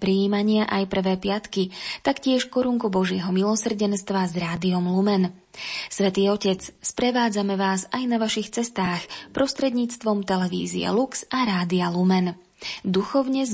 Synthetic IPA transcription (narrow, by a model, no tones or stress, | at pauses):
pɾiiːmaɲɪaʔajpr̩ʋɛːpɪat̪kit̪akcɪɛʃkɔɾuŋkubɔʒɪɛɦɔmilɔsr̩ɟɛnst̪ʋazɾaːd̪iɔmlumɛn | sʋɛt̪iːɔcɛt͡sspɾɛʋaːd͡zamɛʋaːzajnaʋaʃixt͡sɛst̪aːxpɾɔst̪ɾɛd̪ɲiːt͡st̪ʋɔmt̪ɛlɛʋḭːzḭɛ̰luksʔaɾaːd̪ialumɛn | d̪uxɔʊɲɛ